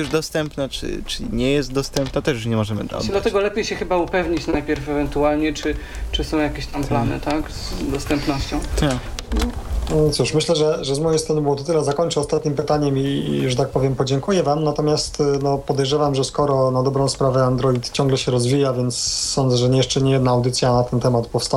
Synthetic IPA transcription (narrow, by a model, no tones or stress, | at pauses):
juʐd̪ɔst̪ɛmpnat͡ʂɘ̰t͡ʂɘɲɛjɛst̪̚d̪ɔst̪ɛmpnat̪ɛʂjuʂɲɛmɔʐɛmɘ̰d̪ɔ̰d̪lat̪ɛɡɔlɛpʲjejɕɛxɘbaupɛvɲit͡ɕnajpʲjɛɾfɛvɛnt̪ualɲɛt͡ʂɘ | t͡ʂɨsɔ̃w̃jakʲeɕt̪amplanɘ̰t̪akzd̪ɔst̪ɛmpnɔɕt͡ɕɔ̃w̪̃nɔt̪suʂmɘɕlɛʐɛʐɛzmɔjejst̪ɾɔnbɘwɔt̪ɔt̪ɘlɛzakɔɲt͡ʂɛɔst̪at̪ɲimpɘt̪aɲɛmiuʐɛt̪ak̚pɔvʲjɛmpɔd͡ʑɛŋkujɛvamnat̪ɔmʲjast̪nɔpɔd̪ɛjʐɛvamʐɛskɔɾɔnad̪ɔbɾɔ̃w̃spɾavɛand̪ɾɔit̪t͡ɕɔ̃ŋɡlɛɕɛɾɔzvʲijavʲjɛnt̪sːɔnd̪zɛʐɛɲɛjɛʂt͡ʂɛɲɛjɛd̪naːwd̪ɘt̪sʲjanat̪ɛnt̪ɛmat̪pɔfst̪a